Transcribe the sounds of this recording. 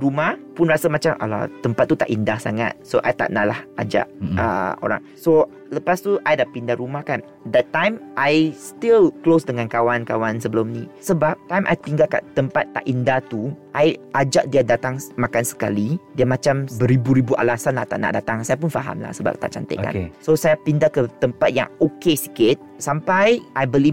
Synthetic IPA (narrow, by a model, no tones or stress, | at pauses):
ɾumahpʊnrasamãt͡ʃamʔa̰la̰t̪əmpat̪̚ːut̪aʔindahsa̰ŋa̰t̪̚soʔa̰jt̪a̰ʔna̰lahʔa̰d͡ʒa̰ʔə̰o̰ɾa̰ŋso | ləpast̪uʔajdapindaɾumahkan | d̪ɛt̪ːãjmʔajst̪ilklosdəŋãnkawankawansəbəlumnĩsəbap̚t̪ãjmʔa̰jt̪iŋɡalka̰t̪əmpat̪ːa̰ʔindat̪uʔajʔad͡ʒaʔ̚diadat̪aŋmakansə̥ka̰lidiamãt͡ʃambəɾibuɾibuʔa̰lasanlaht̪a̰ʔna̰ʔdat̪aŋsajap̬unfa̰ɦa̰mla̰hsəba̰p̚t̪a̰ʔt͡ʃa̰nt̪ə̰ʔka̰kesosajapindakət̪əmpat̪̚ja̰ŋokesi̥kɪt̪̚sampajʔajbəli